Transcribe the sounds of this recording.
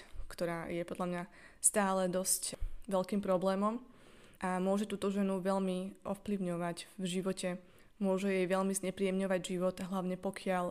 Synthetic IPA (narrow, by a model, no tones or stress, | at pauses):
kt̪ɔɾaːjɛpɔd̪ʎamɲa | st̪aːlɛd̪ɔscʋɛʎkiːmpɾɔblɛːmɔm | ʔamʊɔʒɛt̪uːt̪ɔʒɛnuʋɛʎmiʔɔfpliʊɲɔʋacvʒiʋɔcɛ | mʊɔʒɛjɛjʋɛʎmizɲɛpɾiːɛmɲɔʋaɟʒiʋɔt̪aɦlaʊɲɛpɔkʰɪaʎ